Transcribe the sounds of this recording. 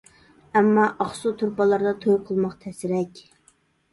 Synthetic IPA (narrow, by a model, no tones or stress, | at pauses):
ɛmːɑʔɑχsut̪ʰuɾpɑlˠɑɾd̪ɑt̪ʰojqʰəlˠmɑqt̪ʰɛsɪɾɛkʲ